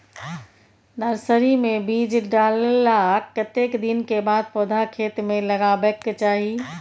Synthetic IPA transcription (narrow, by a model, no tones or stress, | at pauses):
d̪əɾsəɾimẽbiːd͡ʒɖaːlelakkːət̪ekd̪inkebaːd̪̚pɔːd̪ʱakʰeːt̪mẽləɡabəkt͡ʃaːɦi